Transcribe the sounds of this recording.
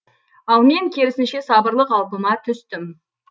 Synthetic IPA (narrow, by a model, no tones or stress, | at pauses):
ɑlˠme̞ŋkʲʰe̞ɾɪsɪnʃe̞sɑbəɾlˠəqɑlˠpəmɑt̪ʰʏst̪ɪm